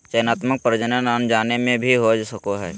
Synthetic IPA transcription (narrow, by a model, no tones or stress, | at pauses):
t͡ʃəjnaːt̪mək̚pɾd͡ʒənənənd͡ʒaːnemẽbʱiɦod͡ʒsəkoɦɛː